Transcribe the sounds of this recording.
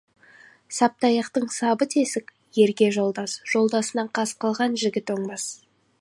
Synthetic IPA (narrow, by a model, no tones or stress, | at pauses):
sɑp̚t̪ɑjɑqt̪əɴsɑbət̪ʰe̞sɪkʲ | je̞ɾɡʲe̞ʒo̞lˠd̪ɑsʒ̥o̞lˠd̪ɑsənɑɴqʰɑsqəlˠʁɑnʒɪɡʲɪt̪oɴbɑs